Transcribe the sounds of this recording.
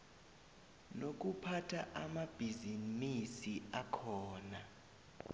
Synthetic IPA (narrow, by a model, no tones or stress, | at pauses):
nok̬upʰatʰaʔamab̥ʱizinisiakʰɔːna